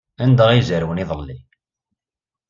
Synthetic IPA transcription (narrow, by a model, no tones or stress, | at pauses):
ænd̪aʁizəɾwəniðˤəllil